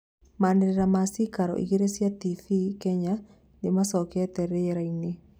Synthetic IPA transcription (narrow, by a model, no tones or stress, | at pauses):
maneɾeɾamasikaɾɔ̰ʔḭɣeɾesjatifikɛɲa | nemasɔkɛtɛɾɛjɛɾaine